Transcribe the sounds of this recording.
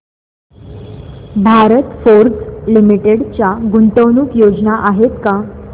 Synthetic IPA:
bʱaɾət̪foɾd͡zlimiʈeɽt͡ɕjaɡunt̪əwnuːkjod͡znaʔaɦet̪ka

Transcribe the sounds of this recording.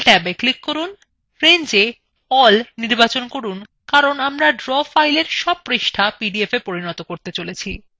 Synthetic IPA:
ʈɛbeklikːoɾun | fɾend͡ʑe | ɔlniɾbat͡ɕonkoɾun | kaɾonamɾaɖɾɔfajleɾʃɔb̚pɾeʃʈʰapiɖiefepoɾinɔt̪okoɾt̪et͡ɕolet͡ɕʰi

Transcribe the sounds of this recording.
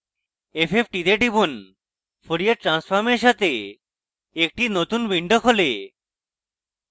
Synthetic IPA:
epʰepʰʈid̪eʈibun | pʰoɾijəɾʈɾãnsfʰaɾmeɕat̪e | ek̚ʈinot̪unʋiɳɖəkʰole

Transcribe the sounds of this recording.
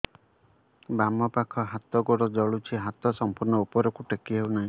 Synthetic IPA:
bamɔpakʰɔɦat̪ɔɡɔɽɔd͡ʒɔɭut͡ʃʰiɦat̪ɔsɔmpuɾɳɔupɔɾɔkuʈekiɦewnaɦĩ

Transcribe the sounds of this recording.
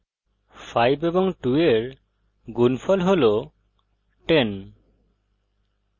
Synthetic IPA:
fʰajbebɔŋʈueɾ | ɡunfʰɔlɦolo | ʈen

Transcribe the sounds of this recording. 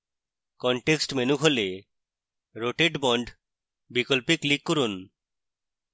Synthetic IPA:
kɔɳʈeksʈmenukʰole | ɾoʈeɖbɔɳɖ | bikɔlpiklikːoɾun

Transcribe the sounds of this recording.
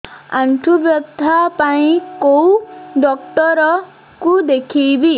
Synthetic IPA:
anʈʰubjɔd̪ʱːapaĩkowɖɔkʈɔɾɔ | kud̪ekʰibi

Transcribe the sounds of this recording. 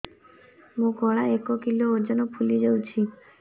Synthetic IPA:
mũɡɔɭaekokilooɾd͡ʒɔnɔpʰulid͡ʒewt͡ʃʰi

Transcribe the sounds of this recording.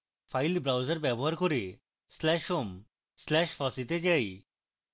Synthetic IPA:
fajlbɾawd͡ʑaɾbɛboɦaɾkoɾe | slɛʃom | slɛʃfasit̪ed͡ʑaj

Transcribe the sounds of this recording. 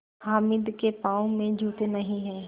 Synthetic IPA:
haːmɪd̪kepaːõmẽd͡ʒʱuːt̪enɐɦĩɦɛ̃ː

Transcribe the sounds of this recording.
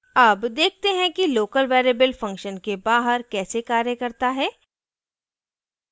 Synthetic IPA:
ɐbd̪eːk̚ʰt̪eɦɛ̃kiloːkəlʋɛːɾeːbəlfɐ̃ŋkʃənkebaːɦəɾkɛːsekaːɾjəkɐɾt̪aɦɛː

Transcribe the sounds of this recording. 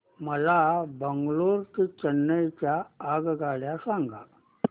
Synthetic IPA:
məlabəŋɡɭoɾt̪it͡ɕənːəjt͡ɕjaːɡɡʱaɭjasaŋɡa̰

